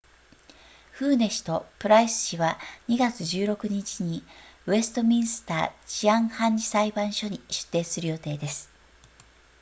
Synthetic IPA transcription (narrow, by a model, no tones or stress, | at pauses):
ɸɯ̟ːne̞ɕi̥t̪o̞pɯ̟ɾaisɨ̥ɕiβaɲ̟iɡat͡sɨʑɨːɾo̞kɯ̟ɲ̟it͡ɕiɲ̟iɯβe̞sɨ̥t̪o̞mʲĩɰ̃sɨ̥t̪a̰ːt͡ɕiãɰ̃hãɲ̟d͡ʑi̥saibãɰ̃ɕo̞ɲ̟iɕɨ̥t̪ːe̞ːsɨɾɯ̟jo̞t̪e̞ːd̪e̞sɨ̥